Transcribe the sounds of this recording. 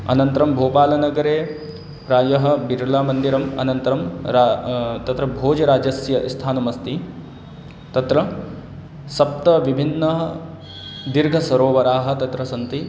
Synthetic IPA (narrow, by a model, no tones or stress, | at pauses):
ɐ̰nɐnt̪ɐɾɐmbʱoːpaːlɐnɐɡɐɾeː | ɾaːjɐɦɐ̆biɾulaːmɐnd̪iɾɐmɐ̰nɐnt̪ɐɾɐmɾat̪ɐt̪ɾɐbʱoːd͡ʒɐɾaːd͡ʒɐsjɐʔist̪ʰaːnɐmɐst̪i | t̪ɐt̪ɾɐ | sɐp̚t̪ɐʋibʱinːɐɦɐ | d̪iɾɡʱɐsɐɾoːʋɐɾaːɦɐ̆t̪ɐt̪ɾɐsɐnt̪i